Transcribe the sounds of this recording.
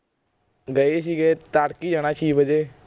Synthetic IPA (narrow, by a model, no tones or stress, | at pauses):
ɡəeːs̬iːɡeːt̪aːɽkiːd͡ʒaːɽ̃aːt͡ʃʰiːbəd͡ʒeː